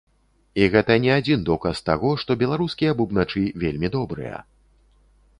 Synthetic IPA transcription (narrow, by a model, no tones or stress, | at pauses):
iɣɛt̪ɐnʲɛad͡zʲind̪ɔkɐst̪aɣɔʂt̪ɔbʲɛlˠaɾuskʲijɐbubnat͡ʂɨvʲelʲmʲid̪ɔbɾɨ̰jɐ̰